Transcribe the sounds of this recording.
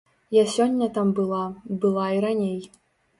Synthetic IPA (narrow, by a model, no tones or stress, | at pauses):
jasʲɔnʲːɐt̪ambɨlˠabɨlˠaiɾanʲej